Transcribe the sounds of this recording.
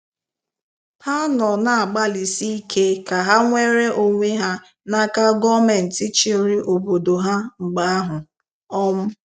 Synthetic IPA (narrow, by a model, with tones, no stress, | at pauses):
pa˦nɔ˨na˨a˨ɡ͡ba˦li˨si˦i˦kʰe˦ka˨ɦa˦ŋʷe˦ɾe˦ʔo˦ŋʷe˦ɦa˦ | na˦ka˦ɡɔ˦me˨n̩˨ti˦t͡ʃe˦ɾi˦ʔo˨bo˨do˨ɦa˦ŋ͡m̩˨ɡ͡ba˨a˦ɦʊ˨ | ɔ˦m̩˦